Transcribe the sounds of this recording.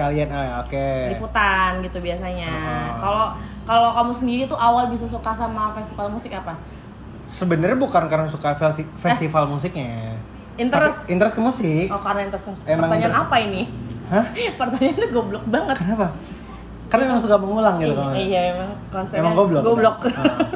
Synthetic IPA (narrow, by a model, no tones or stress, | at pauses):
kaliɛnəokediput̪anɡit̪ubiasaɲakalo | kalokamusəndiɾit̪uʔawalbis̬asukasamafɛst̪ifalmusɪkapa | səbənərɲabukankaɾaŋsukafɛifɛst̪ifalmus̬ɪk̚ɲa | int̪əɾɛsint̪əɾɛskəmusɪkɔkarnaint̪əɾɛskəmusɪ̥keməmaŋt̪aɲanapainihãpərt̪aɲant̪uɡɔblɔk̚baŋət̪k̪ənapa | karnemaŋsukaməŋulaŋɡit̪ukamuijamemaŋkɔnsemaŋɡoblɔkɡoblɔk̚